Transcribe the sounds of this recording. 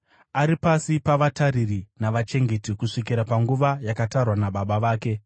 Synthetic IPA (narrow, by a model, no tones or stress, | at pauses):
aɾipasipaʋataririnaʋat͡ʃe̞ŋɡe̞tikuʂik̬iɾapaŋɡuʋajakatarwanaɓaɓaʋaːke̞